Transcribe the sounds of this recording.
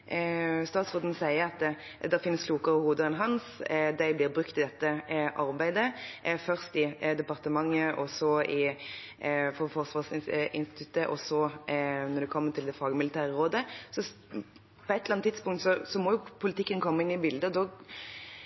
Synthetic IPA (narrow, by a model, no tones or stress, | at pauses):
st̪ɑːt̪sʁoːd̪n̩sæɪəɾɑt̪ | d̪ɛɾfɪnːəskʰluːkəʁəhuːd̪əɛnɦɑnsd̪æɪblɪɾbɾʉkt̪ɪd̪ɛt̪ːəʔɑɾbæɪd̪əfœʁst̪ɪd̪ɛpɑʁt̪əmɑŋːəʔɔsɔɪ | fɔfɔʁʂʋɑːʁsɪnɪnst̪ɪ̥t̪ʰʉt̪ːəʔɔsɔnɔɾd̪ɛkʰɔmːət̪ʰɪld̪ɛfɑːɡəmɪlɪt̪ʰæːʁəʁoːd̪əsɔ | pʰɔɛt̪ːəlɑnt̪ːɪt̪spʊŋkt̪sɔsɔmɔjʊpʰʊlɪt̪ɪkːənkʰɔmːəɪnːɪbɪld̪əɔd̪ɔ